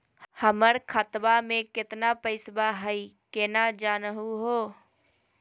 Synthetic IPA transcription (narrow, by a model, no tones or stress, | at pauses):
həməɾkʰət̪bamẽkɪt̪napəɪsbaɦəikenad͡ʒaːnəɦuɦoː